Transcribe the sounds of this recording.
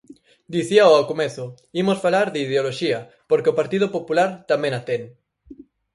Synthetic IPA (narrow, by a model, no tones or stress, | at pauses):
d̪iθiaoawkomeθʊ | imosfalaɾðɪið̞eoloʃiɐ | poɾkeopaɾt̪iðʊpopulaɾt̪amẽŋat̪ɛŋ